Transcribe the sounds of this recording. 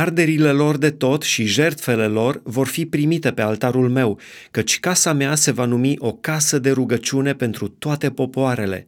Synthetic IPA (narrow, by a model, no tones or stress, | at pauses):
ard̪e̞ɾile̞lo̞rd̪e̞t̪o̞t̪ʃiʒe̞rt̪fe̞le̞lo̞rvo̞rfipɾimit̪epe̞alt̪aɾulme̞w | kət͡ʃʲkasamease̞vanumiʔo̞kasəd̪e̞ɾuɡət͡ʃiune̞pe̞nt̪ɾut̪oat̪e̞po̞poaɾe̞le̞̰